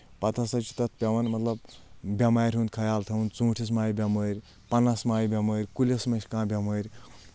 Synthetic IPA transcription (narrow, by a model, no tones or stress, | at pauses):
pɐt̪ʰɐsɐt͡ʃʰi̥t̪ɐt̪ʰpʲɐʋɐnmɐt̪lɐbbʲɐmaːɾʲɦũnd̪̚kʰɐjaːlt̪ʰɐũnd̪t͡sũːʈʰis̬maːjbʲɐməːɾʲ | pɐnɐsmaːjbʲɐməːɾʲkulʲesmɐʃʲkãːbʲɐməɾʲ